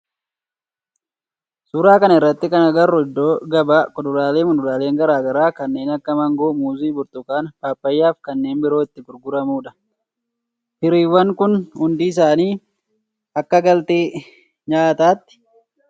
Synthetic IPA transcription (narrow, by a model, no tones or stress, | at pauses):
suːɾaːkɐnɐɪrːɐt̪ːɪkɐnɐɡɐɾːɔɪd̪ːo̞ːɡɐbaːkʊd̪ʊɾaːleːmʊd̪ʊɾaːleːŋɡɐɾaːɡɐɾaːkɐnːe̞ːnɐkːɐmɐŋɡoːmuːziːbʊɾt̪ʊkaːnpaːpːɐjːaːfkɐnːe̞ːnbɪɾo̞ːɪt̪ːɪɡʊɾɡʊɾɐmuːᶑɐ̥ | hɪɾiːwːɐŋkʊnhʊnd̪iːɪs̬aːniː | ɐkːɐɡɐlt̪eː | ɲaːt̪aːt̪ːɪ̥